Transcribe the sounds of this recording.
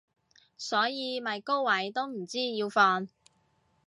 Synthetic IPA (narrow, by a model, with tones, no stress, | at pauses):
sɔː˨˥jiː˨˧mɐ˨jko˥wwɐ˨˥jt̪o˥wm̩˨˩t͡siː˥jiː˧wfɔː˧n